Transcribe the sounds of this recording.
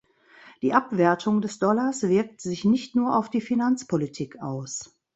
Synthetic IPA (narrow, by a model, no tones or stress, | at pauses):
d̥iːʔapv̥ɛɐtʰʊŋdɛsd̥ɔlasv̥ɪɐk̚tz̥ɪçnɪçtnuːɐʔaʊfd̥iːfinant͡spʰolitʰiːkʔa̰ʊs